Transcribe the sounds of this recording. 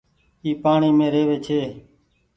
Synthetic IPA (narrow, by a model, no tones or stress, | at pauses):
iːpaːɳiːmẽːɾeːʋeːt͡ʃʰeː